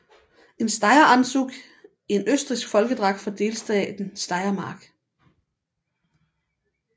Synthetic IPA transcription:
e̝nsd̥ɑ̈ɪɐænsuɡ̥ | e̝nøsd̥ʁisɡ̥fɒ̽lɡ̥əd̥ʁɑ̈ɡ̥̚fɒ̽d̥e̝ːlsd̥ɛːd̥n̩sd̥ɑ̈ɪɐmɑ̈ːɡ̥

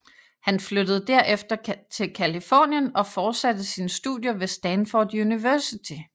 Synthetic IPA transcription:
hænflød̥əð̞̩ˠd̥æɐ̰ʔefd̥ɐt͡sʰe̝lkʰælifɒ̰ːnjənɒ̽fɒːd̥sæd̥əsiːnəsd̥ṵðˠjɐʋe̝sd̥ænfɒd̥juniʋæɐsit͡sʰi

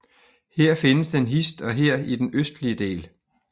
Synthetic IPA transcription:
heɐ̰fe̝nəsd̥enɦisd̥ɒ̽ɦeɐ̰id̥enøsd̥liəd̥e̝̰ːl

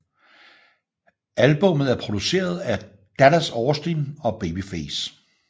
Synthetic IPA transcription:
ælb̥ɔ̽mð̞̩ˠæɐpʰʁo̝d̥use̝̰ːɐð̞ˠæ | d̥æɾæsɒːsd̥inɒ̽b̥e̝ːb̥ifeːs

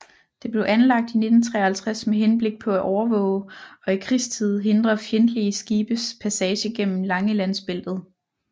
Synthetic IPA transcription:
d̥e̝b̥le̝ʊʔænlɑ̈ɡ̥̚d̥ine̝d̥n̩t͡sʰʁɛ̰ːɐhælt͡sʰʁasmeɦenb̥le̝ɡ̥̚pʰɒ̽æʔɒʊɐʋɔ̰̽ːʊɒ̽ikʰʁist͡sʰið̞̰ˠɦe̝nd̥ʁɐfjend̥liəsɡ̥iːb̥əspʰæsɛːɕəɡ̥en̰m̩lɑ̈ŋəlæn̰sb̥e̝l̰d̥ð̩ˠ

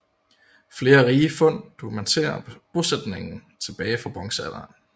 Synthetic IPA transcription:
fle̝ːɐʁiːfɔ̽n̰d̥okʰumænt͡sʰe̝̰ːɐb̥o̝sed̥ne̝ŋn̩t͡sʰe̝b̥ɛːɪfʁɑ̈b̥ʁɒ̽ŋsæl̥ɐ

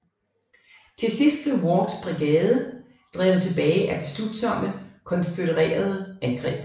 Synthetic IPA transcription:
t͡sʰe̝lsisd̥̚b̥le̝wɒd̥sb̥ʁiɡ̥ɛːðˠə | d̥ʁɛ̰ːʊð̩ˠt͡sʰe̝b̥ɛːɪʔæd̥e̝slud̥sɒ̽m̰əkʰɒ̽nføɾəʁɛ̰ːɐð̞ˠəænɡ̥ʁɛ̰ːb̥

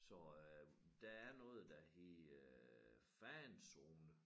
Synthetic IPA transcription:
sɒ̽ | d̥ææɐnɔːð̩ˠd̥æhḛ | fænsoːnə

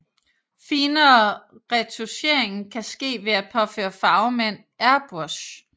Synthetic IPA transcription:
fiːnɐːʁɛt͡sʰuɕe̝ɐ̰e̝ŋn̩kʰæsɡ̥e̝̰ːʋe̝æpʰɒ̽fø̰ːɐfɑ̈ʊmen̰ | æɐb̥oɕ

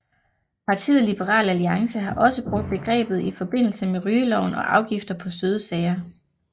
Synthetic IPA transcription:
pʰɑ̈t͡sʰḭðˠlib̥eʁɑ̰̈ːlæliɑ̈ŋsəɦɑ̈ʔɒ̽səb̥ʁɔ̽ɡ̥̚d̥̚b̥e̝ɡ̥ʁɛ̰ːb̥ð̞̩ˠifɒ̽b̥e̝n̰l̩səmeʁyːlɒʊnɒ̽ʔɑ̈ʊɡ̥ifd̥ɐpʰɒ̽søːð̞ˠəsɛɪɐ

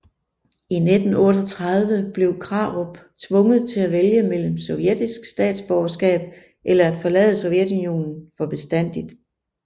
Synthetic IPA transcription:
ined̥n̩ɔ̽ːɾ̥ɒt͡sʰʁɑ̈ð̞ˠʋəb̥le̝ʊkʰʁɑ̈ʁob̥ | t͡sʰʋɔ̽ŋəð̞ˠt͡sʰe̝læʋeljəmel̰m̩sɒ̽ʊjed̥isɡ̥sd̥ɛ̰ːd̥sb̥ɒʊɐsɡ̥ɛ̰ːb̥̚ | ʔelɐæd̥fɒ̽lɛ̰ːð̞ˠəsɒ̽ʊjed̥unijo̝̰ːnn̩fɒ̽b̥e̝sd̥æn̰d̥id̥

